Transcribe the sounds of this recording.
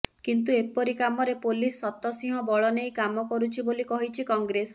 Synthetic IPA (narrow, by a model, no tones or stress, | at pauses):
kint̪uepɔɾikamɔɾepolisːɔt̪ɔsĩɦɔ̃bɔɭɔnejkamɔkɔɾut͡ʃʰibolikɔɦit͡ʃʰikɔŋɡɾes